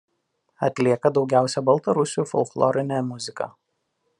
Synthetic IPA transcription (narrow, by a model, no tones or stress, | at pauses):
ɐt̪ʲlʲiɛkɐd̪ɒʊɡʲæˑʊsʲɛbɐlˠt̪ɐɾʊsʲuːfɔ̰ʊklˠɔ̰ɾʲɪnʲæmʊzʲɪkɐ̰